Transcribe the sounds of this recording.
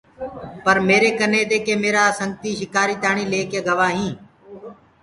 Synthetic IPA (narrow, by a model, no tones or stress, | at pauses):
pəɾmeːɾeːkəneːd̪eːkeːmeːɾaːsəŋɡ̚t̪iːʃɪkaːɾiːt̪aːɳ̃iːleːkeːɡəʋaːɦĩː